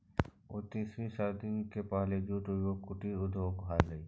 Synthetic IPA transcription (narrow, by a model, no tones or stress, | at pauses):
ʊt̪isɾisaɾd̪inkepaːled͡ʒuːʈojokʊʈiʊd̪ʱoːɡʱaːləi